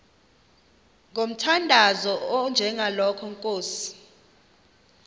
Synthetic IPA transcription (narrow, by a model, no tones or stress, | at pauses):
ŋom̩tʰandʱazɔɔnd͡ʒʱɛŋalɔkʰɔŋkʼoːsi̥